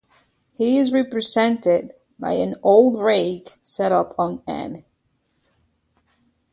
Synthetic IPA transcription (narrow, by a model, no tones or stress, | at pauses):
hiɪzɹɛpɹɨzɛ̃ntɪd̚ | ba̰ɪɨ̃noʊlˠdɹeɪɡsɛɾʌpʰn̩ɛ̰n